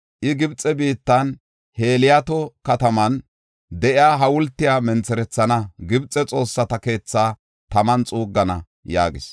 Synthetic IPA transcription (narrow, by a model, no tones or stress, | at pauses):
ʔɪɡɪbt͡sʼːɛbiːt̪ːɐn | he̞ːlɪjat̪ɔkɐt̪ɐmɐn | d̪ɛʔɪaːɦɐwʊlt̪ːɪjaːmɛnt͡sɛɾɛt͡sːɐnɐɡɪbt͡sʼɛt͡sʼo̞ːsːɐt̪ɐke̞ːt͡sːaː | t̪ɐmɐnt͡sʼuːɡːɐnɐ̰ | ja̰ːɡɪs